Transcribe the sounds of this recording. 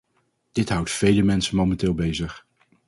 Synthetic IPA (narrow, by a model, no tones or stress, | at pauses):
d̥ɪtɦʌwtfejləmɛnsənmowmɛntɪːlˠbejzəχ